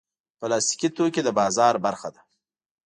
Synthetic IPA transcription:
pəlɑst̪i̥kit̪oked̪əbɑzɑɾbaɾxad̪a

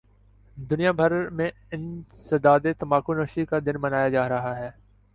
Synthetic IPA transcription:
d̪ʊnijabʱɐɾmẽ | ɪnsɐd̪aːd̪et̪ɐmaːkonɐːʃikad̪ɪnmɐnaːjad͡ʒaːɾɐɦaɦɛː

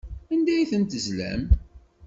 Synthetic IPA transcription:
ænd̪æjiθənt̪əzlæ̰m

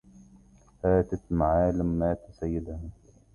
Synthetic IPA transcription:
faːt̪at̪maʕaːlamːaːt̪ʊsajːɪd̪ha

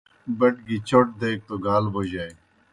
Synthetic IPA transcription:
bɐʈ̚ɡit͡ɕoʈ̚d̪eːk̚t̪oɡaːlbod͡ʑaːj

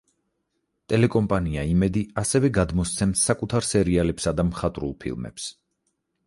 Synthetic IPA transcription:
t̪ʼɛlɛkʼɔmpʼaniaimɛd̪iasɛvɛɡad̪mɔst̪sʰɛmsːakʼut̪ʰaɾsɛɾialɛpsad̪amχat̪ʼɾṵlˠpʰḭlˠmɛ̰ps

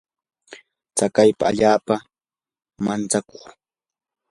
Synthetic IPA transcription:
t͡sakajpa̰a̰ʎaːpa | mant͡sako̥χ

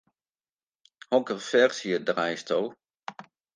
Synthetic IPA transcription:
hɔkərfɛrsjədrajstʰol

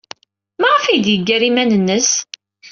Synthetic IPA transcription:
mæʁəfijd̪jəɡːæɾimænənːəs

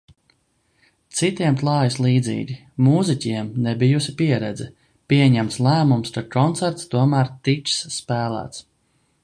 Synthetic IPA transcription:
t̪sit̪iɛmp̪lˠɑːjislˠiːd̪zḭːɡʲi | muːzicʲiɛmnɛbijusipiɛɾɛd̪zɛ | pʲiɛɲæmt̪slˠæːmumst̪akɔnt̪sæɾt̪st̪uɔmæːɾt̪it͡ʃsspæːlˠæ̰ːt̪s

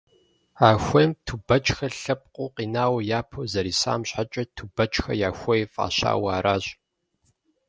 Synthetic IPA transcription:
aːxʷejmtʰubɐt͡ʃʼxɐɬɐp̚ʼqʷʼʊqiːnaːwɐjaːpʰozɐɾiːsa̰ːmɕħat͡ʃʼɐtʰubɐt͡ʃʼxɐ̰jaːxʷejfʼa̰ːɕa̰ːwaːɾaːɕʼ

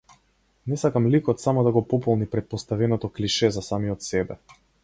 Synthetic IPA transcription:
nɛsakamlikɔt̪samɔd̪aɡɔpɔpɔlˠnipɾɛt̪̚pɔst̪avɛnɔt̪ɔkliʃɛzasamiɔt̪sɛbɛ

